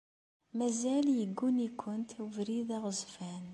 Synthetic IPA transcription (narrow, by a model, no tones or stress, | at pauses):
mæzæljəɡːunikʷʰːənt̪uvɾiðæʁəzfæn